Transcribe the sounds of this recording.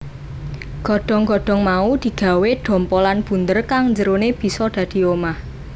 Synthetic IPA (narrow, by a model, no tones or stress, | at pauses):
ɡ̥ɔ̤ɖ̥ɔ̤ŋɡ̥ɔ̤ɖ̥ɔ̤ŋmaud̪̥i̤ɡ̥a̤weɖ̥ɔ̤mpɔlanb̥ṳnd̪ərkaŋɲd͡ʒəɾoneb̥i̤sɔd̪̥ä̤d̪̥i̤omah